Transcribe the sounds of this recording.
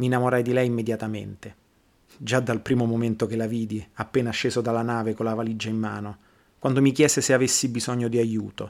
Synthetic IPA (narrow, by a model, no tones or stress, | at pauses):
minːamoɾajd̪ilɛjimːed̪jat̪amḛnt̪e | d͡ʒad̪alpɾiːmomoment̪okelaviːd̪iapːeːnaʃeːzod̪alːanaːvekolːavalid͡ʒaimːa̰ːno | kwand̪omikjɛːzeseavesːibizɔɲːod̪iajuːt̪o